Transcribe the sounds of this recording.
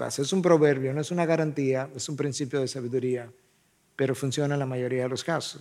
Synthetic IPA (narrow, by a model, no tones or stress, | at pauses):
ka̰soesumpɾo̞βe̞ɾβjo̞noe̞sunaɣaɾant̪iaesumpɾinsipjo̞ðe̞saβiðuɾia | pe̞ɾo̞funsjo̞nalamaʝo̞ɾiaðelo̞skasos